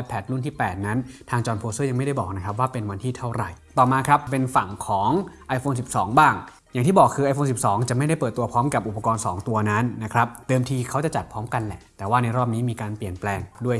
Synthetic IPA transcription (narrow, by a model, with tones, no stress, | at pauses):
pʰɛː˨˩t̪̚lu˥˩nt̪ʰiː˥˩pɛː˨˩t̪̚na˦˥nt̪ʰaː˧ŋt͡ɕɔː˧npʰoː˧sɤː˥˩ja˧ŋma˥˩jda˥˩bɔː˨˩k̚na˦˥kʰa˦˥p̚waː˥˩pe˧nwa˧nt̪ʰiː˥˩t̪ʰa˥˩wɾa˨˩jt̪ɔː˨˩maː˧kʰɾa˦˥ppe˧nfa˨˩ŋkʰɔː˩˦ŋʔa˧jfoː˧nsi˨˩p̚sɔː˩˦ŋbaː˥˩ŋ | ja˨˩ŋt̪ʰiː˥˩bɔː˨˩kʰːɯː˧ʔa˧jfʰoː˧nsi˨˩p̚sɔː˩˦ŋt͡ɕa˨˩ʔma˥˩jda˥˩jpɤː˨˩t̪ːu˧ɐpʰɔː˦˥mka˨˩p̚ʔu˨˩pːa˧kɔː˧nsɔː˩˦ŋt̪u˧ɐna˦˥nːa˦˥kʰɾa˦˥p̚t̪ɤː˧mt̪ʰiː˧kʰa˦˥wt͡ɕa˨˩t͡ɕa˨˩pʰɔː˦˥mka˧nlɛ̰˨˩t̪ɛː˨˩waː˥˩na˧jɾɔː˥˩p̚niː˦˥miː˧kaː˧npli˨˩ənplɛː˧ŋdu˥˩əj